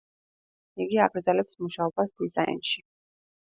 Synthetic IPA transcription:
iɡiaɡɾd̪zɛlɛpsmuʃaɔbasd̪izaḭnʃi

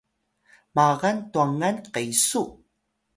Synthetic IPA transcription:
maʁantuaŋanqejsu

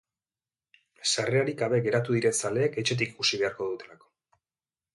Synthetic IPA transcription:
sare̞aɾiɡaβe̞ɡe̞ɾat̪uðiɾe̞nsale̞ːke̞t͡ʃe̞t̪̬iki̥kusiβe̞aɾko̞ðut̪e̞lako̞̥

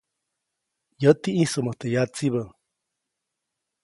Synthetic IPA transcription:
jət̪iʔĩsəməht̪ejat͡siβə

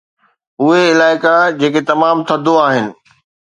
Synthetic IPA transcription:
ʊɦeɪlaːɪkad͡ʑeːket̪ɐmaːmt̪ʰɐd̪ʱoaːɦɪnɪ̆

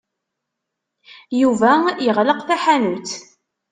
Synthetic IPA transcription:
juvæjəʁləqθæħanut͡s

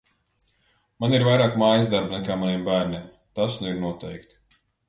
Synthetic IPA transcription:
maniɾvajɾaːkmaːjizd̪aɾbnɛkaːmanʲiɛːmbæːɾnʲiɛm | t̪asnuiɾnuɔt̪ɛjkt̪

